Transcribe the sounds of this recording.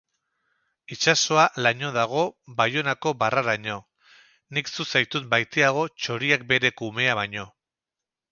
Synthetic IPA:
it͡ʃaso̞alaɲo̞ð̞aɣ̞o̞bajo̞nako̞baraɾaɲo̞ | niksusajt̪ut̪bajt̪eaɣ̞o̞t͡ʃo̞ɾiak̚be̞ɾe̞kume̞aβaɲo̞

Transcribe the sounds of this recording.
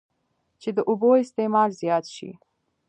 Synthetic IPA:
t͡ʃed̪əʔuboɪst̪emɑɾzjɑt̪ʃḭ

